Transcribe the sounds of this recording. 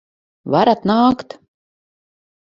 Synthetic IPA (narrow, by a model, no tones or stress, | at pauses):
vaɾat̪naːkt̪